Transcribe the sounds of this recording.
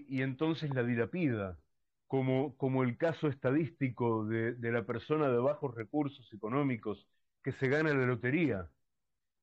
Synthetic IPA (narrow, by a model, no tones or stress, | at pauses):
ie̞nt̪o̞nse̞slaðilapið̞a | komoko̞mo̞elkaso̞est̪að̞ist̪ikoðeðelape̞ɾso̞naðeβ̞axo̞sre̞kuɾso̞se̞ko̞nõ̞miko̞s | ke̞se̞ɣ̞analalo̞t̪e̞ɾia